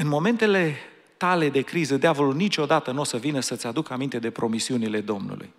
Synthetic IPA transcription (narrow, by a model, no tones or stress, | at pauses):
ɨnmo̞me̞nt̪e̞le̞ | t̪ale̞d̪e̞kɾizəd̪eavo̞lunit͡ʃo̞d̪at̪ənuosəvinəsət̪sʲad̪ukamint̪e̞d̪e̞pɾo̞misiunile̞d̪o̞mnṵlʔṵj